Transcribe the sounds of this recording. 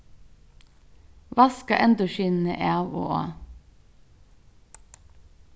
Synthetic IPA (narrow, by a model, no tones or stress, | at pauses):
ʋɑskɑʔɛnd̪ʊʃiːnn̩ḛʔæʋo̰ːʔo̰ː